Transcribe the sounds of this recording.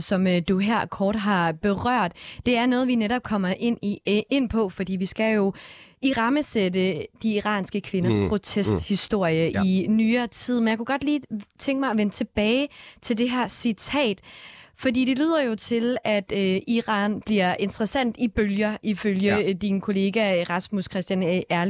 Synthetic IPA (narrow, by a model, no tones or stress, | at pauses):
sɒ̽mød̥uɦæɐ̰kʰɒːd̥ɦɑ̈b̥e̝ʁɶɐ̰d̥d̥e̝æɐnɔ̽ːðˠʋineɾɒ̽b̥̚kʰɒ̽m̰ɐʔe̝n̰e̝n̰pʰɒ̽fɒd̥ḭːʋisɡ̥æjo̝iʁɑ̈məsedəd̥iːʁɑ̰̈ːnsɡ̥əkʰʋe̝nɐspʰʁo̝t͡sʰesd̥hisd̥o̝ɐ̰jəʔinyːɐt͡sʰið̰ˠmenjaɪkʰuɡ̥ɒ̽d̥liːt͡sʰeŋɡ̥əmɑ̈ɪɒʋenət͡sʰe̝b̥ɛːɪt͡sʰe̝ld̥e̝ɦæɐ̰sit͡sʰɛ̰ːd̥fɒ̽dḭːd̥e̝lyð̰ˠɐjo̝t͡sʰe̝læd̥øiʁɑ̰̈ːnb̥liɐ̰e̝nd̥ʁɐsæn̰d̥ib̥øljɐʔiføljəd̥inkʰo̝le̝ːɡ̥æʁɑ̈smuskʰʁɛsd̥jænʔæɐ